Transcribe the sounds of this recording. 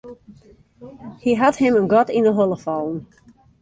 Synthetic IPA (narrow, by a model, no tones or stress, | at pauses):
hiɦathɪmənɡɔtindəɦɔlˠəfɔlˠən̩